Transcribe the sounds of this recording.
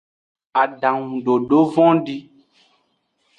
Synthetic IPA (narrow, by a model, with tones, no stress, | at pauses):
a˨ɖã˨ŋũ˨ɖo˨ɖo˦vɔ̃˦ɖi˦